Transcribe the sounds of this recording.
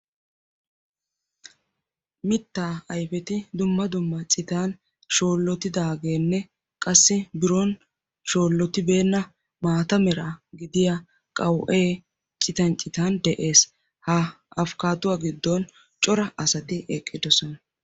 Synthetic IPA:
mɪt̪ːaːɐjfɛt̪ɪd̪ʊmːɐd̪ʊmːɐt͡sʼɪt̪aːn | ʃo̞ːlːɔt̪ɪd̪aːɡe̞ːnːɛ | kʼɐsːɪbɪɾɔn | ʃo̞ːlːɔt̪ɪbe̞ːnːɐ | maːt̪ɐmɛɾaɡɪd̪ɪja | kʼɐwʔeː | t͡ʃʼɪt̪ɐnt͡ʃʼːɪt̪aːnd̪ɛʔe̞ːs | hɐ | ɐfkaːt̪ʊwaːɡɪd̪ːɔn | t͡ʃʼɔɾɐʔɐsɐt̪ɪʔɛkʼːɪd̪ɔsɔnɐ

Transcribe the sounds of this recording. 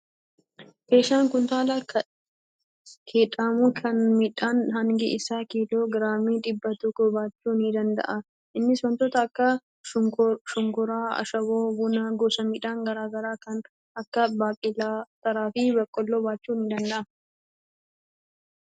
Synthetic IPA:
keːʃaːŋkʊnt̪aːlɐk | kʰeːᶑaːmʊkʰɐnmiᶑaːnɦɐŋɡɪʔɪsaːkiːloːɡɪɾaːmiːᶑɪbːɐt̪ɔkːɔbaːt͡ʃːuːnɪd̪ɐnd̪ɐ̰ʔɐ | ʔɪnːɪsɔnt̪ɔt̪ɐːkːɐ | ʃʊŋkʊɾaːɐ̰ʃɐboːbʊnaːɡoːsɐmiːᶑaːŋɡɐɾaːɡɐɾaːkɐn | ɐkːɐbaːkʼɪlaːt̪ɐɾaːfɪbɐkʼːɔlːoːbaːt͡ʃːuːnɪd̪ɐnd̪ɐʔɐ

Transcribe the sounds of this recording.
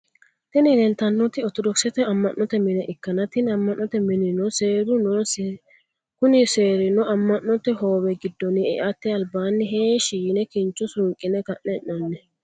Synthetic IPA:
t̪ɪnɪlɛnt̪ɐnːɔt̪ɪɔt̪ɔd̪ɔksɛt̪ɛɐmːɐnːɔt̪ɛmɪnɛʔɪkːɐnɐt̪ɪnɐmːɐʔːɔt̪ɛmɪnɪnɔseːɾʊnɔs | kʊnɪse̞ːɾɪnɔɐmːɐnːɔt̪ɛɦo̞ːwɛɡɪd̪ːɔnɪɛʔat̪ːɛɐlbaːnːɪɦeːʃiɪnɛkɪnt͡ʃːʊsʊŋkʼɪnɛkɐʔnɛʔɐnːɛ

